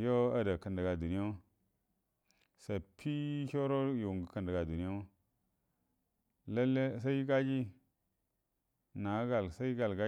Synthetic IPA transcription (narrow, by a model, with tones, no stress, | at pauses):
jo˦a˦da˨kə˨ndə˨ɡa˨du˨ni˦jo˦ | sa˨pʰi˦ço˦ɾo˦ju˨ŋɡə˨kə˨ndə˨ɡa˨du˨ni˦jo˦ | la˦lːe˦sa˦jɡa˦d͡ʒi˦ | na˨˦ɡa˨lsa˦ɡa˨lɡa˦